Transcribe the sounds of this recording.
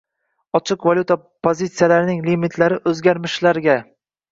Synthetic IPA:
ɒt͡ʃʰɨqvalʲut̪a | pʰozʲit̪sijalaɾɪnɪŋlimit̪ʰlaɾɪʔɵzɡʲaɾmɪʃlaɾɡʲa

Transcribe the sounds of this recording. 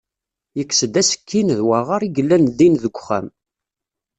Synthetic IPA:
jəkːsəd̪æsə̥kʰːinðwaʁaɾiɡəlːænðinðəɡʷχæ̰m

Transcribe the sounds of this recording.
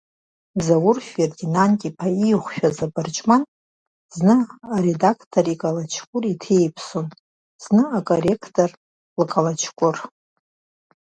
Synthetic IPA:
zawʊrferdinantʲʼipʰaijχʷʃᶣazabɨrt͡ʃʼman | z̥nɨaɾedakʰtʰorikʼalat͡ʃʰkʷʼʊritʰejpʰson | z̥nɨakʼore̞kʰtʰʼor | lɨkʼalat͡ʃʰkʷʼʊr

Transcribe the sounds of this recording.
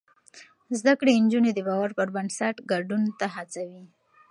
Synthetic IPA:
zd̪akɽend͡ʒuned̪əbawaɾpəɾbansaʈɡaɖunt̪aɦat͡sawi

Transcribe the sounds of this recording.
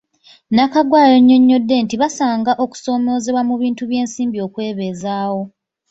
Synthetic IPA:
nakaɡwaːle̞ɲːo̞ɲːo̞dːe̞ntiβasaːŋɡaʔo̞ku̥so̞ːmo̞ze̞βwamuβiːntuβje̞ːnsiːmbio̞kwe̞ːβeːzaːwo̞

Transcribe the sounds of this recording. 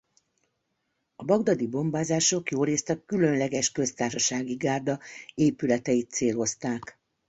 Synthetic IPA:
ɒbɒɡd̪ɒd̪ibo̞mbaːzaːʃo̞kjoːɾeːst̪ɛkːylø̞nlɛɡɛʃkø̞st̪aːrʃɒʃaːɡiɡaːrd̪ɒeːpylɛt̪ɛjit̪seːlo̞st̪aːk

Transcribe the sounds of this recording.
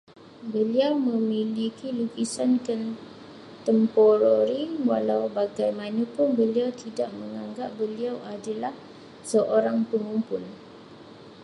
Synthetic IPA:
bəliawmə̃milikilukisankan | t̪əmpɔɾoɾiwalawbaɡajmanãpʊnbəliawt̪idaʔ̚mə̃ŋãŋɡap̚bəliawʔadalah | səʔoɾaŋpəŋumpʊn

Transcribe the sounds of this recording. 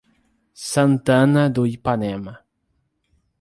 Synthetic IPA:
sɐ̃nt̪ãnɐd̪uipanɛmɐ

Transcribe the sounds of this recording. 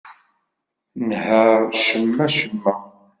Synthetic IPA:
nhəɾʃəmːæʃəmːæ

